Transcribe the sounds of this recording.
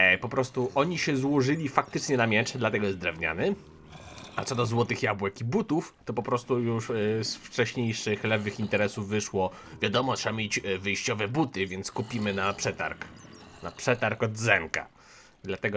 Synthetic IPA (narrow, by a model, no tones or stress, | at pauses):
pɔpɾɔst̪uʔɔɲiɕɛzwɔʐɘlʲifak̚t̪ɘt͡ʂɲɛnamʲjɛt͡ʂɛd̪lat̪ɛɡɔjɛzd̪ɾɛvɲa̰nɘ | at̪ɛd̪ɔzwɔt̪ɘxjabwɛkibut̪uft̪ɔpɔpɾɔst̪ujuʂsft͡ʂɛɕɲejʂɘxlɛvɘxint̪ɛɾɛsuvːɘʂwɔ | vʲjad̪ɔmɔt̪ʂɛbamʲjed͡ʑvɘjɕt͡ɕɔvɛbut̪ɘvʲjɛnt̪skupʲimɘnapʂɛt̪a̰ɾkna̰pʂɛt̪aɾkɔd̪zɛŋka̰ | d̪lat̪ɛɡɔ